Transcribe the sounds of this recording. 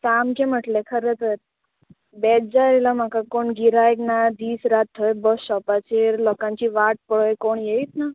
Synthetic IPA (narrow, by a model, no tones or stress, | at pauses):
samkẽm̤əʈlekʰəɾət̪əɾ | bɛd͡zaɾilam̤akakoɳɡiɾajknad̪iːsɾat̪ʰːɔjbəsɕɔpat͡ɕeɾlɔkãɲt͡ɕiʋaʈ̚pəɭəjkoɳjeit̪na